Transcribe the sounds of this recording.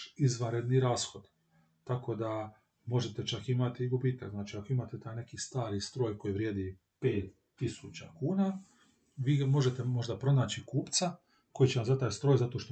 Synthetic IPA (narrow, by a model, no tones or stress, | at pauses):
izʋanɾe̞d̪niɾaːsxo̞d̪ | t̪ako̞d̪a | mo̞ʒe̞t̪e̞t͡ʃakimat̪iɡubiːt̪a̰kznaːt͡ʃiːako̞imaːt̪et̪aːjne̞kiːst̪aːɾist̪ɾo̞ːjko̞jiʋɾje̞ːd̪i | pe̞ːt̪ːisut͡ɕa̰kuːnaː | ʋiːmo̞ʒe̞t̪e̞mo̞ʒd̪apɾo̞naːt͡ɕikuːpt̪sa | ko̞jit͡ɕe̞namzat̪aːjst̪ɾo̞ːjzat̪o̞ʃt̪o